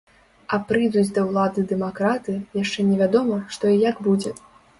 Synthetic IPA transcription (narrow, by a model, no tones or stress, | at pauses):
ɐpɾɨjd̪ud͡zʲd̪ɐwlˠad̪ɨd̪ɛmakɾat̪ɨjaʂt͡ʂɛnʲɛvʲad̪ɔmɐʂt̪ɔijaɡbud͡zʲɛ